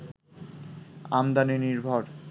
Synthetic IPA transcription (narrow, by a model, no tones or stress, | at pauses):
a̰md̪aniniɾbʱɔɾ